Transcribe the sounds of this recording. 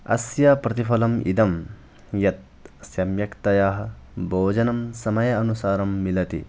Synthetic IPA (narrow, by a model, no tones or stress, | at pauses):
ɐ̰sjaːpɾɐt̪ifʰɐlɐmḭd̪ɐm | jɐt̪̚ | sjɐmjɐkt̪ɐjaːɦɐ̆ | bʱoːd͡ʒɐnɐmsɐmɐjɐɐnusaːɾɐmːilɐt̪ḭ